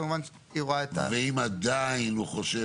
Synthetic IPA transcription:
muman | iʁoaet̪a̰veimad̪ainhuχoʃe

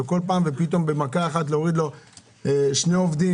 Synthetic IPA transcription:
eko̞lpaːmve̞pit̪o̞mbe̞makaeχat̪̬leoʁid̪lo̞ | eʃne̞o̞vd̪i

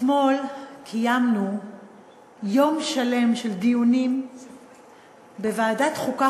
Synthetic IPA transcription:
mo̞lkʰijamnu | jo̞mʃale̞mʃe̞ld̪ijunim | bevaːdat̪χuka

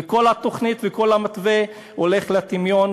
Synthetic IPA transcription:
eko̞lat̪o̞χnit̪veko̞lamat̪ve | ole̞χlat̪imjon

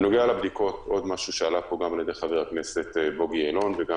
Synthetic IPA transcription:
no̞ɡealabd̪iko̞to̞d̪maʃuʃealapo̞ɡamaljed̪e̞jχaveʁakne̞se̞t̪bo̞ɡielo̞nveɡa

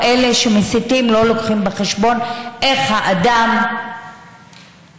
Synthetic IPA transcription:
ʔele̞ʃemisit̪imlo̞lo̞kχimbeχeʃbo̞nʔe̞χhaʔad̪am

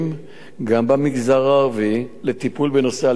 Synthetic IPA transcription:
m | ɡambamiɡzaʁaːʁvilet̪ipulbeno̞sea

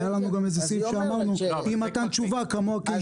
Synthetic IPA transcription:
jalanuɡamɛzisiʃamanuimatant͡ʃuvakamoaki

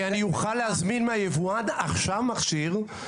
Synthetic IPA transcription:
anijuχalehazminmeajevuad̪aχʃavmaχʃiʁ

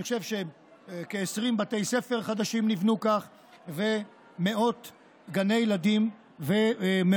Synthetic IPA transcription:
niχoʃevʃe | keːsʁimbat̪ejse̞fe̞ʁχad̪aʃimnivnukaχ | ve̞ | me̞o̞t̪ | ɡane̞jlad̪im | veme

